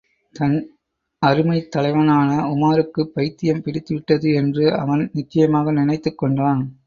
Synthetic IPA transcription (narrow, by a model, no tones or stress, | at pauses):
t̪ɐn | ɐɾɯmɐɪt̪ːɐlɐɪʋɐnaːnɐʊmaːɾɯkːɯpːɐɪt̪ːɪjɐmpɪɽɪt̪ːɯʋɪʈːɐðɯɛndrɯɐ̰ʋɐnnɪt͡ʃːɐjɐmaːɣɐnɪnɐɪt̪ːɯkːɔɳɖaːn